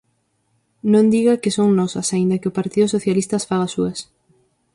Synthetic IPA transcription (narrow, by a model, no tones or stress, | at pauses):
nõnd̪iɣɐkɪsoŋnɔsɐ̰saĩnd̪ɐkɪopaɾt̪iðʊsoθjalist̪ɐsfaɣasuɐs